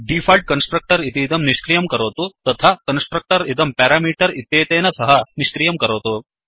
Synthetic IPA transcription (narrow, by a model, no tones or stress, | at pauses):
ɖifʰɐːlʈ̚kɐnsʈɾɐk̚ʈɐɾit̪iːd̪ɐmniʃkɾijɐmkɐɾoːt̪ut̪ɐt̪ʰakɐnsʈɾɐk̚ʈɐɾid̪ɐmpɛːɾaːmiːʈɐɾit̪jeːt̪eːnɐsɐɦɐniʃkɾijɐmkɐɾoːt̪u